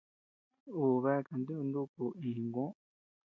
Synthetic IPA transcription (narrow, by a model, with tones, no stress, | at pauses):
u˨βe˦˨ka˨nd̪i˦u˧nd̪u˦ku˧ĩ˨ŋɡõ˦